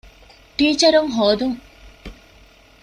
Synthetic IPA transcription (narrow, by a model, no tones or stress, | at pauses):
ʈiːt͡ʃɐɾuŋɦoːd̪uŋ